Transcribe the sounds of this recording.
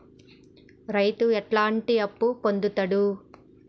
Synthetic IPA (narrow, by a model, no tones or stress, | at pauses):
ɾɐjt̪uɛʈlaːɳʈiɐpːupond̪ut̪ɐɽu